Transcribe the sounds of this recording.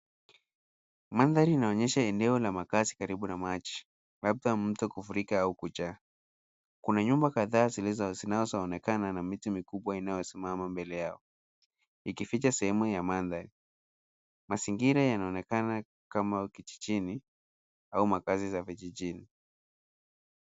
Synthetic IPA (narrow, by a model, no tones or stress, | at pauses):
manðaɾiːnaɔɲɛʃaɛndɛɔlamakazikaɾiɓunamat͡ʃi̥ | lab̚dam̩tɔkufuɾikaaukut͡ʃaː | kunaɲumbakaðaːzilɛzazinaɔzaɔnɛkananamitumikuɓwainajɔsimamambɛlɛjaɔ | ikifit͡ʃasɛhɛmujamanðaɾi | masiŋɡiɾajanaɔnɛkana | kamakit͡ʃi̥t͡ʃini | aumakazizaviʄiʄini